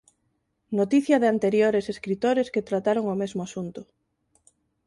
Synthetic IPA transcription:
not̪iθjɐðeant̪eɾjoɾeseskɾit̪oɾesket̪ɾat̪aɾoŋomezmoasunt̪ʊ

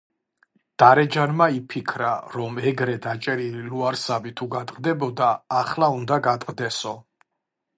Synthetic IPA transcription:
d̪̥aɾɛd͡ʒanmaipʰikʰɾaɾɔmɛɡɾɛd̪at͡ʃʼɛɾililuaɾsabit̪ʰuɡat̪ʼqʼd̪ɛbɔd̪aːχlaund̪aɡat̪ʼqʼd̪ɛsɔ

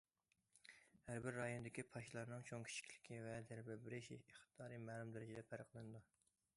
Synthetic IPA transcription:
hæɾbɪɾːɑjonɨd̪ɪkʲipʰɑʃilˠɑɾnɨŋt͡ʃʰoŋkʲʰi̥t͡ʃʰi̥kʲʰlɪ̥kʲʰivɛzæɾbɪɾbɪɾɪʃieχt̪ʰɨd̪ɑːɾimæːlˠumd̪eɾɪd͡ʒɛd̪ɛpʰæɾqlˠɨnɨd̪u

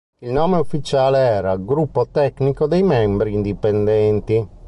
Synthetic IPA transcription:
ilnoːmeufːit͡ʃaːleɛːɾaɡɾupːot̪ɛknikod̪ejmɛmbɾiːnd̪ipend̪ɛnt̪i

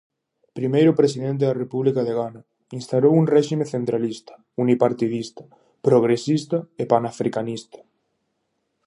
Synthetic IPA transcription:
pɾimejɾʊpɾes̬iðẽnt̪̬eðarepuβlikaðeɣana | inst̪aɾowuŋrɛʃimeθent̪ɾalist̪ḁ | unipaɾt̪iðist̪ḁ | pɾoɣ̞ɾesist̪aepanafɾikanist̪ḁ

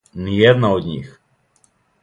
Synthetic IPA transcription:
niɛd̪naod̪ɲḭx

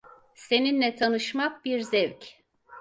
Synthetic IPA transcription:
se̞ninlʲɛt̪ʰanɯʃmak̚biɾzɛvc

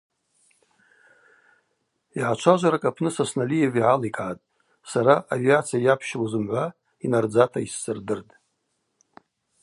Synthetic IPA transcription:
iʕat͡ʃʷʰaʒʷaɾakʼapʰnɨsasnalijeviʕalikʼaːtʼ | saɾaaviat͡sʰijajapʰʃlozɨmʕʷa | inard͡zatʰaisːɨrdɨrtʼ

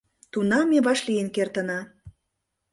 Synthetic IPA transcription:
t̪unɑmeβɑʃlijənkert̪ə̆nɑ

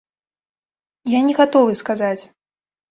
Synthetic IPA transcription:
janʲɛɣat̪ɔvɨskazat͡sʲ

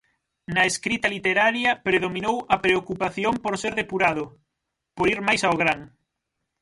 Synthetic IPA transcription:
nɐeskɾit̪ɐlit̪eɾaɾjɐpɾeð̞omĩnowɐpɾeokupaθjompoɾseɾðepuɾaðʊ | poɾiɾmajsaʊɣɾaŋ

